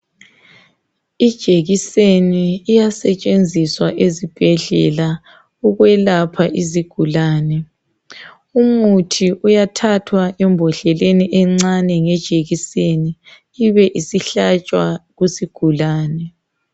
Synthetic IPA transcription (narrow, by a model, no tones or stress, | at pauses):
id̥ʒ̥ʱeɣiseniːjasɛt͡ʃʼend͡zʱiswaʔezib̥ʱɛɮɛ̰la | uɣwɛlapʰaʔiziɡ̥ʱulaːnɛ | umutʰiʔujatʰatʰwaʔɛmbʱɔɬɛleniʔɛŋ͡ǀanɛŋɛd̥ʒ̥ʱeɣiseniː | βɛʔisiɬat͡ʃʼwaɣusiɡ̥ʱulaːnɛ